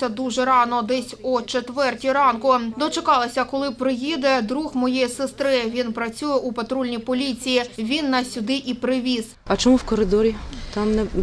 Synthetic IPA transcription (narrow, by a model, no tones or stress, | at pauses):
sʲɐd̪uʒɛɾɑnɔd̪ɛsʲut͡ʃet̪ʋɛrtʲiɾɑnkʊd̪ɔt͡ʃekɑlˠɪsʲɐkɔlˠɪpɾɪjid̪ɐd̪ɾuxmɔjejisest̪ɾɪʋʲinpɾɐt͡sʲujɛʔupɐt̪ɾulʲnʲipɔlʲit͡sʲijiʋʲinːɐsʲʊd̪ɪʔipɾɪʋʲiz̥ɐt͡ʃɔmuwkɔɾɪd̪ɔɾʲit̪ɑmnɛ